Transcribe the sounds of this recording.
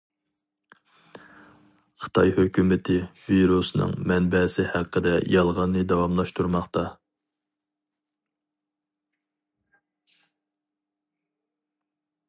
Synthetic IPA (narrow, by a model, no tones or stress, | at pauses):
χʰə̥t̪ʰɑjhøkʲymɪt̪ʰɪviɾusnɨ̰ŋmɛnbɛsɪhæqʰːəd̪ɛjɑlˠʁɑnːɨd̪ɛwɑmlˠɑʃt̪ʰuɾmɑχt̪ɑ